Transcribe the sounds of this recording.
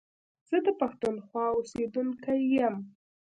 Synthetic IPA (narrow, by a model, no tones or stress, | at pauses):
z̥əd̪əpaxt̪unxwɑosed̪unkajːəm